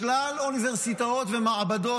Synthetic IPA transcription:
laluniveʁsit̪aot̪vemaʕabad̪o̞

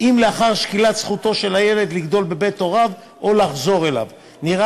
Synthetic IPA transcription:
imle̞aχaʁʃkilat̪sχut̪o̞ʃe̞laje̞le̞d̪liɡd̪o̞lbe̞bet̪o̞ʁav | ʔo̞laχzo̞ʁe̞la̰v | niʁa

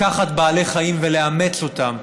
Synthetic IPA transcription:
aχat̪baːle̞χaimve̞le̞ame̞t͡so̞t̪am

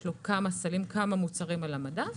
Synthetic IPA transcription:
lokamasalimkʰamamut͡saʁimalamada

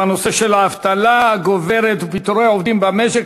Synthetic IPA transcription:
ano̞se̞ʃelaːft̪alaaɡoveɾet̪upit̪uɾeaovd̪imbameʃek

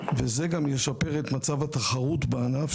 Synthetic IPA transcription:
vezeɡamjeʃape̞ʁet̪mat͡savat̪aχaʁut̪beanaf

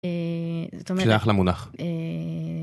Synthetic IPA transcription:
ezot̪omaχlamunaχe

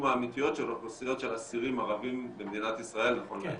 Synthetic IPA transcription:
maːmit̪ijo̞t̪ʃeloχosijo̞t̪ʃe̞lasiʁimaʁavimbemd̪inat̪isʁae̞lnaχo̞n

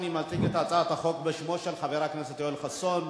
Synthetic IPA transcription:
nimat͡sʼiket̪at͡sʼat̪aχok̚beʃmoʃelħaviɾaknɛset̪jolχason

